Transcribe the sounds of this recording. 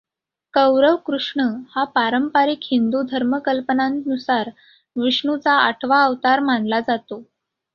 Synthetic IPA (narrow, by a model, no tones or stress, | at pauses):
kəwɾəʋkɾuʂɳəhapaɾəmpaɾikhind̪ud̪ʱəɾməkəlpənãnt̪nusaɾ | ʋiʂɳut͡saa̰ʈʰʋaːʋt̪aɾm̤aɳlad͡zat̪o